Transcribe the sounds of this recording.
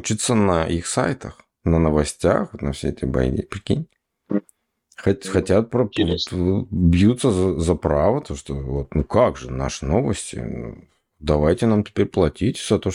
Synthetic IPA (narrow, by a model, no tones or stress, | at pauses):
t͡ɕit̪sənəʔixsa̰jt̪əx | nənəvɐsʲtʲa̰xvot̪nɐfsʲeɛt̪əjbɐ̰jnʲḭpɾʲɪkʲḛnʲ | xɐtʲxɐtʲat̪̚pɾəpvot̪vobjut̪səzəzɐpɾavət̪oʂt̪ovot̪nukaɡʐɨna̰ʂɨno̞vəsʲtʲɪ̰ṵ | d̪ɐvajtʲɪnamtʲɪ̥pʲeɾʲplˠɐtʲitʲz̥ɐt̪o